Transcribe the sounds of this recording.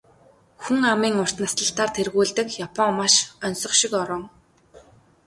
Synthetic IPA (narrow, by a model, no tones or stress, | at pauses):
xuŋamiːŋʊr̥t̪nast̪ə̆ɬt̪aːrt̪ʰerɣuːɮt̪ɘ̆kjapʰɔŋmaʃœnʲsɞ̆χʃikɔɾɞ̆ŋ